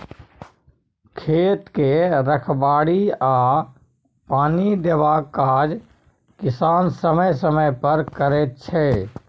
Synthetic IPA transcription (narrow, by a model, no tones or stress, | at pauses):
kʰeːt̪keɾəkʰbaːɽiaː | paːnid̪ebakaːd͡ʒ | kɪsaːnsəməjsəməjpəɾkəɾeːt̪̚t͡ʃʰɛː